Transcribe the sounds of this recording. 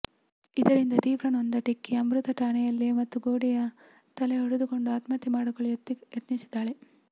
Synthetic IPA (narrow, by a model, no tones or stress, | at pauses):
id̪ɐɾind̪ɐt̪iːʋɾɐnond̪ɐʈikːiɐmɾut̪ɐʈaːnɛjɐlːimɐt̪ːuɡoːɽijɐ | t̪ɐleɦoɽud̪uko̞ɳɖuɐt̪mɐt̪ːimaːɽukoɭjɐt̪nisid̪ːaːɭe